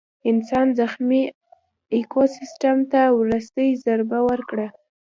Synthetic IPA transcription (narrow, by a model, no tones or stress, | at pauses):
ɪnsɑnzaxmi | ekʰosɪsʈamt̪awɾust̪əjzaɾbawəɾkɽa